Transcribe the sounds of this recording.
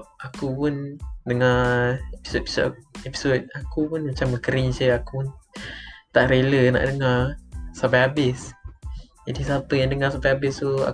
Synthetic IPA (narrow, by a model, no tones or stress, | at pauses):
akupundəŋaepi̥sopi̥soepi̥sot̚akupunmat͡ʃaməkəɾiŋsəakuun | t̪aʔɾeləna̰ʔdəŋarsapajabɪs | d͡ʒadisapəjaŋdəŋasapajabɪst̪ua̰